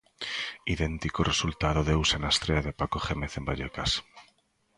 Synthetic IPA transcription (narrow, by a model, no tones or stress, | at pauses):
iðe̞nt̪ikoresult̪aðoðewsenast̪ɾeaðepakoχemeθe̞mbaʎekas